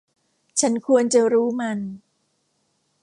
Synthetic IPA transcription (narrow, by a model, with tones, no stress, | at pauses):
t͡ɕʰa˦˥nkʰu˧ənt͡ɕa˧ɾuː˦˥ma˧n